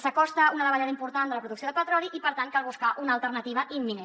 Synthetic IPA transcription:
səkɔst̪əunəðəβəʎaðəimpuɾt̪and̪ələpɾuðuksioðəlpət̪ɾɔliʔipəɾt̪aŋkalˠβuskaʔunəlˠt̪əɾnət̪iβəʔimːine

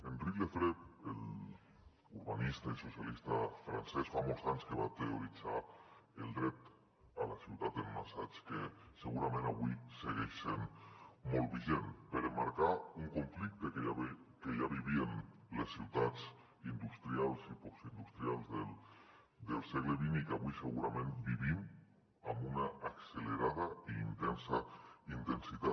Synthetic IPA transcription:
enrikefɾepel | uɾβanist̪aisosjalist̪afɾa̰nsesfamozanskeβat̪eoɾit͡saeld̪ɾet̪ | alasiwt̪at̪elmasat͡ʃkeseɣuɾamẽnaβwiseɣeʃsenmolβiʒempeɾemaɾkauŋkoɱflik̚t̪ekeakejaβiβienlesːiwt̪at͡s | ind̪ust̪ɾjalsiposind̪ust̪ɾjalze | d̪elseɣleβinikaβwiseɣuɾamẽnt̪biβim | amunaʔːkseleɾaðaiːnt̪ensaint̪ensit̪a

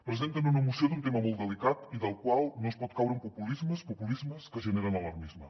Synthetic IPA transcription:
pɾəzent̪ənunəmusiod̪unt̪eməmolˠt̪d̪əlikat̪iðəlˠkwalˠnospɔt̪̚kawɾəmpupulizməspupulizməskəʒəneɾənəlɐɾmizmə

